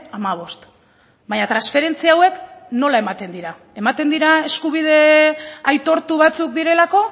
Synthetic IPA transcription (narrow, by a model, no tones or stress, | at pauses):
amaβ̞o̞st̪ | baɲat̪ɾansfe̞ɾe̞nt͡siawe̞kno̞lae̞mat̪e̞nd̪iɾa | e̞mat̪e̞nd̪iɾae̞skuβ̞ið̞e̞ajt̪o̞ɾt̪uβ̞at͡sukd̪iɾe̞lako̞